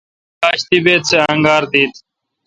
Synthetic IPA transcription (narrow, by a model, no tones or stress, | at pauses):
aːɕt̪ibeːt̪̚seɐ̃ŋɡaːɾd̪iːt̪